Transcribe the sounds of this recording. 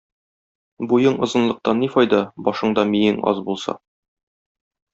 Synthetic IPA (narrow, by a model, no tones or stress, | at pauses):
bujɤɴŏzɤ̆nlˠɤ̆q̚t̪ɑnːifɒjd̪ɑbɒʃɤɴd̪ɒmijɘŋɒ̰zbulˠsɑ̰